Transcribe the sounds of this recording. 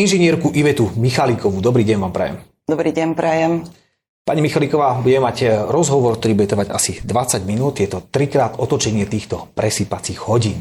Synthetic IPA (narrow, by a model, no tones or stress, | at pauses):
inʒɛɲɪɛɾkuʔiʋɛt̪umixalikɔʋud̪ɔbɾiːɟɛnʋaːmpɾɛ̰jɛ̰m | d̪ɔbɾiːɟɛnpɾɛjɛm | paɲimixalikɔʋaːbuɟɛmɛmaɟɾɔzɦɔʋɔɾk̚t̪ɔɾiːbuɟɛt̪r̩ʋaɟa̰sid̪ʋat͡saɟminuːt̪jɛt̪ɔt̪ɾikɾaːt̪ɔt̪ɔt͡ʃɛɲɪɛt̪iːxt̪ɔpɾɛsiːpat͡siːɣhɔɟiːn